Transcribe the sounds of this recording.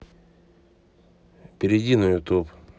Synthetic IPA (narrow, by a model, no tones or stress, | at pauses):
pʲɪɾʲɪdʲinʊjʊt̪up